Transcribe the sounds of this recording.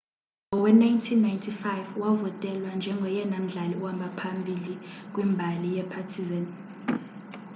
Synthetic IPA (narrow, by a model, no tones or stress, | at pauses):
ɔwɛnajntʰinːajntʰifajvwavɔtʼɛlwand͡ʒʱɛŋɡʱɔjɛnam̩ɮaliwambʱapʰambʱilik̬ʼwimbʱalijɛpʰatʰizan